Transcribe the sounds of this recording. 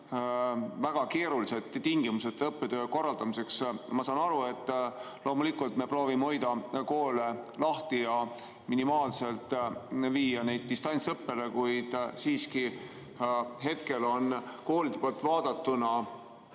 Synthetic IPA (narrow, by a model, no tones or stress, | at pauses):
væɡ̥ɑke̞ːɾulise̞t̪t̪iŋɡ̥imuse̞t̪ːɤpːed̪øːko̞rːɑld̪ɑmise̞ksmɑsɑːnɑɾue̞t̪ːˑ | lʔo̞ːmulikult̪me̞pro̞ːvimeo̞jd̪ɑko̞ːle̞lɑht̪ijɑ | minimɑːlse̞lt̪ˑviːjɑne̞jd̪̥̚t̪ist̪ɑnʲtsɤpːe̞le̞kujd̪̥siːski | ɦe̞t̪ke̞lo̞nko̞ːlid̪̥epolt̪ˑvɑːd̪̥ɑt̪ːunɑ